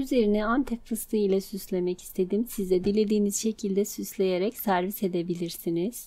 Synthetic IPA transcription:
yze̞ɾinɛant̪ʰɛpfɯst̪ˠɯilʲˠasyslʲe̞mɛci̥st̪ʰe̞d̪imsizd̪ɛd̪ilʲːed̪iːniz̥ʃe̞cʰilʲd̪ɛsyslʲe̞jeɾɛcsæɾvise̞d̪ebilʲiɾsiniz̥

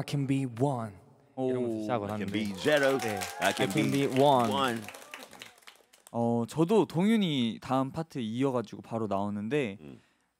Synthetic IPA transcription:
kʰɛnbiwʌn | oaɡoãbid͡ʒɛɹoʊeakʰnkinbiwʌnʌ̃n | ʌt͡ɕʌdotoŋjuɲitaɯmpʰatʰɯiʌɡad͡ʑiɡopaɾonaonɯnde̞

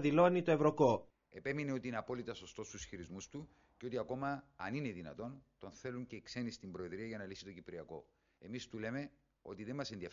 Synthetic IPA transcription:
ðilo̞nit̪oevɾo̞ko | e̞pe̞mineo̞t̪iineɐpo̞lit̪ɐso̞st̪o̞st̪usçiɾizmust̪u | ceo̞t̪iɐko̞mɐːnineðinɐ̰t̪o̞nt̪o̞nθe̞luɲcekse̞nist̪imbɾo̞eðɾiɐʝɐnɐlisit̪o̞cipɾiɐko̞̰ | e̞mist̪ule̞me̞ | o̞̰t̪iðe̞mmɐsenðiɐ

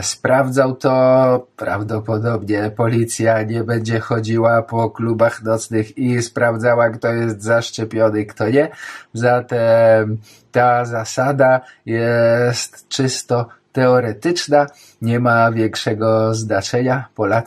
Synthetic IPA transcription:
spɾavd̪zawt̪ɔpɾa̰vd̪ɔpɔd̪ɔbɲɛpɔlʲit̪sʲjaɲɛbɛɲd͡ʑɛxɔd͡ʑiwapɔklubaxnɔt̪snɘxispɾavd̪zawakt̪ɔjɛst̪zaʂt͡ʂɛpʲjɔnɘkt̪ɔɲɛzat̪ɛm | t̪azasad̪ajɛst̪t͡ʂɘst̪ɔt̪ɛɔɾɛt̪ɘt͡ʂna | ɲɛmavʲjɛŋkʂɛɡɔznat͡ʂɛɲapɔlat̪

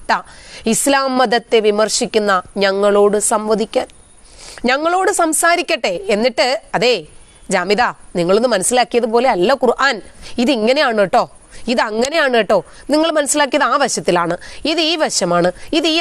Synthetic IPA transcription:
ʈːɐislaːmːɐd̪ɐt̪ːe̞ʋimɐrʂikʲːunːɐɲɐŋːɐɭo̞ːɽɨsɐmʋɐd̪ikʲːaːn | ɲɐŋːɐɭo̞ːɽɨsɐmsaːɾikʲːɐʈːeenːiʈːɨɐðeː | d͡ʑaːmiðaːniŋːɐɭonːɨmɐnɐsːilaːkːijɐðɨpoːle̞ɐlːɐkurʔaːniðiŋːɐne̞jaːɳeʈːo̞ːiðɨɐŋːɐne̞jaːɳɨeʈːo̞ːniŋːɐɭmɐnɐsːilaːkːijɐðaːʋɐɕjɐt̪ːilaːɳɨiðɨiːʋɐɕɐmaːɳɨiðiː

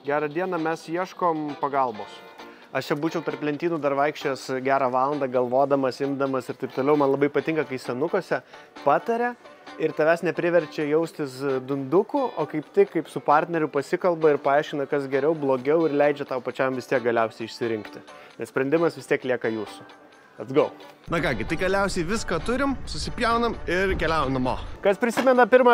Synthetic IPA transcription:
ɡʲæːɾɐd̪ʲiɛnɐmʲɛsjiɛʃkoːmpɐɡɐlˠboːs | ɐʃt͡ʃʲɛbuːt͡ʃʲɛʊpʲɛrpʲlʲɛnt̪ʲiːnuːd̪ɐrʋɐɪkʃʲt͡ʃʲoːjɛːsɡʲæːɾɑːʋɑːlˠɐnd̪ɑːɡɐlˠʋoːd̪ɐmɐsɪmd̪ɐmɐsɪrt̪ɐɪpt̪oːlʲɛʊmɐnlˠɐbɐɪpɐt̪ʲɪŋkɐkɐɪsʲɛnʊkoːsʲɛ | pɑːt̪ɐɾʲɛ | ɪɾt̪ɐʋʲæsnʲɛpʲɾʲɪʋʲɛɾʲt͡ʃʲɛjɛʊsʲt̪ʲɪsd̪ʊnd̪ʊkʊo̰ːkɐɪpt̪ʲɪkːɐɪpsʊpɑrʲt̪ʲnʲɛɾʲʊpɐsʲɪkɐlˠbɐɪɾpɐɑˑɪʃʲkʲɪnɐkɐsɡʲɛɾʲɛʊblˠoːɡʲɛʊɪrlʲɛɪd͡ʒʲɛt̪ɐʊpɐt͡ʃʲɛmʋʲɪst̪iɛk̚ɡɐlʲɛʊsʲɛɪɪʃʲsʲɪɾʲɪŋkt̪ʲɪnʲɛssʲpɾʲɛnʲd̪ʲɪmɐsʋʲɪst̪ʲiɛklʲiɛkɐjuːsʊ | ɐd̪ɡɐʊnɐkɑːɡʲɪt̪ɐɪɡɐlʲɛʊsʲɛɪʋʲɪskɐt̪ʊɾʲɪmsʊsʲɪpʲjɛʊnɐmɪrkʲɛlʲæʊomnɐmoːkɐspʲɾʲɪsʲɪmʲɛnɐpʲɪrmɐ

